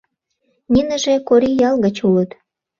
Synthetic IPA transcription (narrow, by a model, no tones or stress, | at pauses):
nʲinə̆ʒekoɾijɑlɣə̆t͡ɕulət̪